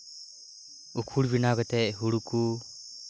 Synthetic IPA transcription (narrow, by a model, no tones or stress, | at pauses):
ukʰuɽbinaɡɛt̪ɛʔɦuɽuku